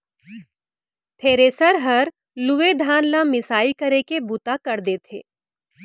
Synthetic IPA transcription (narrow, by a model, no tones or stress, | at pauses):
t̪ʰeːɾeːsəɾɦɐɾ | lʊʋed̪ʱaːnlamɪsaːikɐɾekebut̪akɐɾd̪eːt̪ʰḛː